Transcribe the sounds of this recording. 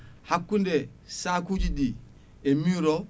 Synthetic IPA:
hakːunde | sakud͡ʒidi | emiɾo

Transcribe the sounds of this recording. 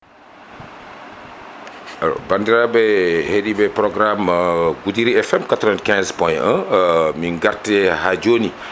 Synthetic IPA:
ao̰bandiɾabɛhedibɛpɾɔɡɾamɡudiɾiɛfɛmkatɾɔɛnkɛ̃nspɔjə̃miŋɡartːɛɦad͡ʒoni

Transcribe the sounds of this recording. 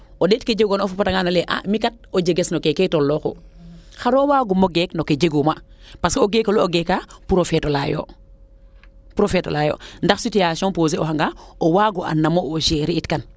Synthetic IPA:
odetked͡ʒeɡonofupataŋɡanaleʔa̰mikat̚od͡ʒeɡesnokeketolːoko̰xaɾowaɡumoɡeknoked͡ʒeɡumapaskioɡekoluoɡekapuɾofetolajo̰ | pɾofeto̰lajo̰ndaxsitijasɔnpoːzeoɦaŋɡaowaːɡuʔa̰nːamoʔoʃeɾiitkan

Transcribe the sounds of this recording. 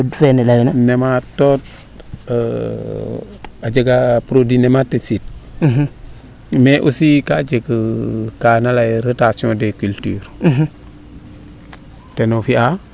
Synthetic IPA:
dfenelajnanematot | ad͡ʒeɡapɾodinematesit̚ | meʔusikad͡ʒekəkanalajɾotasiõdekyltyːɾɦ | tenofia

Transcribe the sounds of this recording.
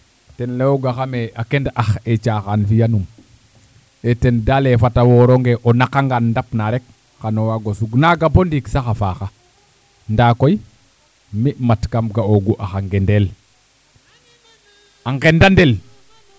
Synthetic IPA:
tenlewoɡaxameakendʔaxet͡ʃaxanfijanum | etendalefatawoɾoŋɡeʔonakaŋɡandapnaɾek | xanowaɡosuɡnaɡabondiksaxafaxa | ndakoj | mimatkamɡaoɡuʔaxaŋɡendel | aŋɡendandel

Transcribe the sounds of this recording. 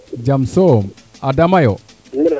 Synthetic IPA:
d͡ʒamsɔm | adamajɔ

